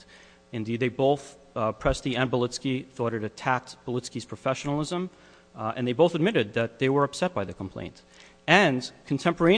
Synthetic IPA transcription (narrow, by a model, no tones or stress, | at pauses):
ɨ̃ndid̪̚ðeɪboʊθ | pʰɹ̥ɛstiɨ̃nbəlɪtskiθɔɾɨɾɨtʰæk̚tb̥əlˠɪskiz̥pʰɹ̥əfɛʃnl̩ˠɪzə̃m | ʔɨ̰̃nðeɪboʊθəd̚mɪɾɨd̪̚ðɨt̪̚ðeɪwə˞ʌpsɛt̚b̥aɪðɨkʰm̩pʰl̥ḛ̃ɪ̃nt | ɨ̃nkʰn̩tʰɛ̃mpə˞ẽɪ̃